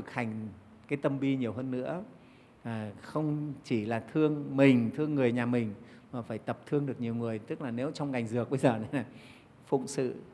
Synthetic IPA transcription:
ɨ˨˩k̚ha˨˩jŋ̟ | kaː˨˦jt̪ə˧mɓi˧ɲi˨˩əwhəː˧nːɨ̰˧˥ə | aː˨˩xə˧wŋ͡mt͡ɕi˧˩laː˨˩t̪ʰɨ˧əŋmï˨˩ŋ̟t̪ʰɨ˧əŋːɨ˨˩əjɲaː˨˩mï˨˩ŋ̟ | maː˨˩faː˧˩jt̪ə˨˩p̚t̪ʰɨ˧əŋɗɨ˨˩ək̚ɲi˨˩əwŋɨ˨˩əjt̪ɨ˦˥k̚laː˨˩ne˨˦wt͡ɕɔ˧wŋ͡mŋa˨˩jŋ̟zɨ˨˩ək̚ɓə˧jzəː˨˩nə˨˦naː˨˩ | fʊ̰˧˨ŋ͡msɨ̰˧˨

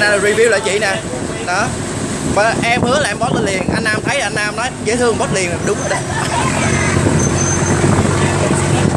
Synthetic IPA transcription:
naː˨˩˨ɹi˧˩vi˧wla̰ː˧˩t͡ɕḭ˧˨na˨˩ | ɗɔ˨˦ | mə˨˩ʔɛ˧mhɨ˨˦əlaː˨mɓɔ˨˦˥ləː˨˧˦li˨˩ənʔa˧jn̟ʔaː˧mt̪ʰə˨˦jlːnʔaː˧mnɔ˨˦jɣə̰˧˥˦t̪ʰɨ˧əŋ˩mə˦˥t̚li˨˩ənm˨˩fa˨˩ɗʊ˨˦ŋ͡mʔəː˨˧˦ɗə˧˦j

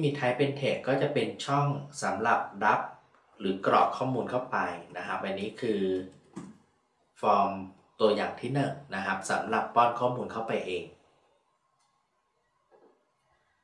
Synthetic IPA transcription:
miː˧t̪ʰa˦˥jpe˧nt̪ʰeː˨˩kːɔː˥˩t͡ɕa˨˩ʔpe˧nt͡ɕʰɔ˥˩ŋsa˩˦mɾa˨˩p̚da˦˥p̚ | ɾɯː˩˦kɾɔ̰ː˨˩kʰːɔː˥˩muː˧nkʰa˥˩wpa˧jna˦˥kʰa˦˥p̚wa˧nːiː˦˥kʰɯː˧ | fɔː˧m | t̪u˧ɐjaː˨˩ŋt̪ʰiː˥˩nɯ˨˩ŋna˦˥kʰa˦˥p̚sa˩˦mɾa˨˩pːɔː˥˩nkʰɔː˥˩muː˧nkʰa˥˩wpa˧jʔeː˧ŋ

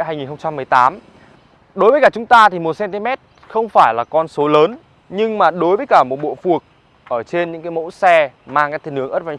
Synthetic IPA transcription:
aː˧jŋi˨˩nhxə˧ŋ͡mt͡ɕa˧mːɨ˨˩əjt̪aː˨˦m | ɗo˨˦jvəː˨˦kaː˧˩t͡ɕʊ˨˦ŋ͡mt̪aː˧t̪ʰi˨˩mo˨˩t̚sɛ˧nt̪i˧mɛ˦˥t̚ | xə˧wŋ͡mfaː˧˩jlaː˨˩kɔ˧nso˨˦ləː˨˦n | ɲɨ˧ŋmaː˨˩ɗo˨˦jvəː˨˦jkaː˧˩mo˨˩t̚ɓo̰˧˨fu˨˩ək̚ | ʔəː˧˩t͡ɕe˧nɲɨ̰˧˥ŋkaː˨˦mo̰˧˥sɛ˧maː˧ŋkaː˨˦jt̪ʰnhɨ˨˦əŋəː˦˥t̚va˧˩

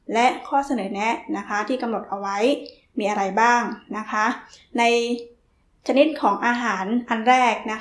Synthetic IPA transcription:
lɛ˦˥ʔkʰɔː˥˩sa˧nɤː˩˦nɛ˦˥ʔna˦˥kʰa˦˥t̪ʰiː˥˩ka˧mno˨˩t̪̚ʔa˧wa˦˥j | miː˧ʔa˧ɾa˧jbaː˥˩ŋna˦˥kʰa˦˥ʔna˧j | t͡ɕʰa˧ni˦˥t̪̚kʰɔː˩˦ŋʔaː˧ɦaː˩˦nʔa˧nɾɛː˥˩k̚na˦˥

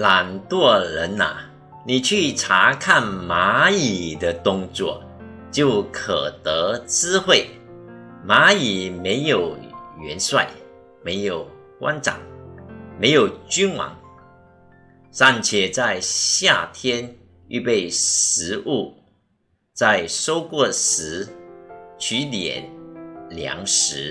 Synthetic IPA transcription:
la˨˩nt̪wɔ˥˩lə˧˦˥na̰˨ | ni˨˩t͡ɕʰy˥˩ʈ͡ʂʰa˧˥kʰa˥˨nma˧˥i˨˩d̪ə˦t̪ʊ˥˧ŋt͡swɔ˥˩ | t͡ɕjo˥˩ʊkʰə˨˩t̪ə˧˦t͡sɹ̩˥xwe˥˩ɪ | ma˧˥i˨˩me˧˥ɪjo˨˩ʊɥɛ˧˥nswa̰˥˩ɪ | me˧˥ɪjo˨˩ʊkwa̰˥˦nʈ͡ʂa̰˨˩ŋme˧˥ɪjo˨˩ʊt͡ɕy˥nwɑ̰˧˥˦ŋ | ʂa˥˧nt͡ɕʰjɛ˥˩t͡sa˥˧ɪɕja˥˧˩t̪ʰjɛ˥n | y̰˥˧pe˥˩ɪʂɻ̩˧˥ʔu˥˩ | t͡sa˥˧ɪʂo˥ʊkwɔ˥˩sɻ̩˧˥ | t͡ɕʰy˧˥t̪jɛ̰˨˩˦nljɑ̰˧˥ŋʂɻ̩˧˥

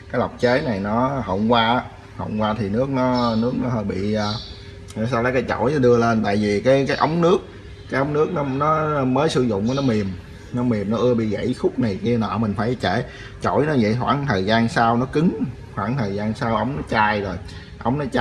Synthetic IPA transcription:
kaː˨˦jla˨˩wk͡p̚t͡ɕe˨˦na˨˩jnɔ˨˦hə̰˧˨wŋ͡mkwaː˧ʔa˦ | hə̰˧˨wŋ͡mkwaː˧t̪ʰi˨˩nɨ˦˥ək̚nɔ˨˦nɨ˦˥ək̚nɔ˨˦ɦə˧˩ɓḭ˧˨ʔəː˧˨˩ | s̬aː˧wlaː˨˦kaː˨˦jt͡ɕo˧˩jɗɨ˧əle˧nt̪a̰ː˧˨jvi˨˩kaː˨˦jkaː˨˦jʔə˨˦wŋ͡mnɨ˦˥ək̚ː | aː˨˦jʔə˨˦wŋ͡mnɨ˦˥ək̚nɔ˨˦nɔ˨˦məː˨˦jsɨ˧zʊ̰˧˨ŋ͡mʔa˨˦nɔ˨˦mi˨˩əm | nɔ˨˦mi˨˩əmnɔ˨˦ʔɨ˧əɓḭ˧˨ɣə̰˧˥˨jxʊ˦˥k͡p̚na˨˩jki˧ənɔ̰˧˨˩mï˨˩ŋ̟faː˧˩jt͡ɕḛ˧˩˦ | t͡ɕo˧˩jnɔ˨˦zə̰˧˨jɦwa̰ː˧˩ŋt̪ʰəː˨˩jzaː˧nsaː˧wnɔ˨˦kɨ˨˦ŋ | hwaː˧˩ŋt̪ʰəː˨˩jzaː˧nsaː˧wʔə˨˦wŋ͡mnɔ˨˦t͡ɕaː˧jzo˨˩j | ʔə˨˦wŋ͡mnɔ˨˦t͡ɕ

